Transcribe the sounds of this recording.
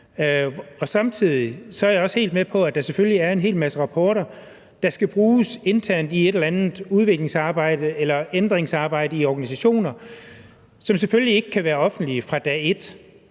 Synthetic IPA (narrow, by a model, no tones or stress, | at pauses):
ɒ̽sɑ̈mt͡sʰið̞̰ˠisɒæɐjaɒ̽she̝̰ːld̥mepʰɒ̽æd̥ɑ̈sefølliæɐe̝nɦe̝̰ːlmæsəʁɑ̈pʰɒːɾɐ | d̥ɑ̈sɡ̥æb̥ʁuːse̝nt͡sʰæɐ̰nd̥ie̝ɾelɐænð̩ˠuð̞ˠʋe̝ɡ̥le̝ŋsɑ̈ːb̥ɑ̈ɪ̰d̥əelɐend̥ʁeŋsɑ̈ːb̥ɑ̈ɪ̰d̥əiɒɡ̥ænis̬æɕo̝̰ːnɐ | sɒ̽mseføllie̝ɡ̥əkʰæʋæːɐɒ̽fn̩d̥liəfʁɑ̈d̥ɛ̰ːe̝d̥